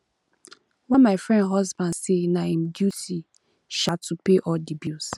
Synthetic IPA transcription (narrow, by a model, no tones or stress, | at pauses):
wɛ̃nmafɹɛ̃ndɦɔzbãndsenaĩmdjuti | ʃatʰupeʔɔldibjus